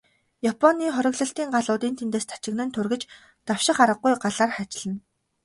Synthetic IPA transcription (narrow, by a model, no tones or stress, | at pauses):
japʰɔniːχɔɾʲɪ̆ɣɮə̆ɬt̪iːŋɢaɮʊːt̪iːnt̪ʰent̪eːst̪ʰḁt͡ɕɪ̆ɣnɘ̆nt̪ʰʊrɣɘ̆t͡ɕ | t̪awʃɪ̆χaɾə̆q̚ːujɢaɮaːrχat͡ɕɮɘ̆n